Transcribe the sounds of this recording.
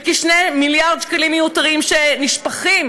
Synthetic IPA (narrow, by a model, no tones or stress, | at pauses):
kiʃnejmiljaʁd̪ʃkalimjejutaʁimʃeniʃpaχim